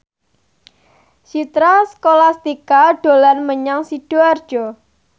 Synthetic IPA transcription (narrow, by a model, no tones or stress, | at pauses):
ʃit̪ɾaskolast̪ikaɖ̥o̤lanməɲaŋsiɖ̥oard̥ʒ̥ɔ